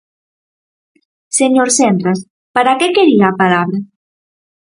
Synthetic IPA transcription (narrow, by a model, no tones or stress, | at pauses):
seɲoɾsɛnd̪ɾas | paɾakɛkeɾiaːpalaβɾa